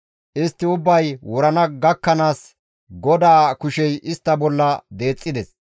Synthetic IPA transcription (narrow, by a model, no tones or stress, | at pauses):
ʔɪst̪ːɪʊbːɐjwɔɾɐnɐɡɐkːɐnaːs | ɡɔd̪aːkʊʃɛjʔɪst̪ːɐbɔlːɐd̪e̞ːt͡sʼːɪd̪ɛs